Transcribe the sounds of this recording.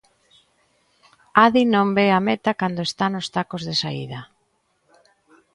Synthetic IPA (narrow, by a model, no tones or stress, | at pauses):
aðinõmbeamet̪akand̪oest̪anʊst̪akozðesaḭðɐ